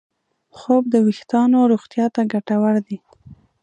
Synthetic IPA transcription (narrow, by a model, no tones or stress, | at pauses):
xob̚d̪əwɪxt̪ɑnoɾoɣt̪jɑt̪aɡaʈawaɽd̪i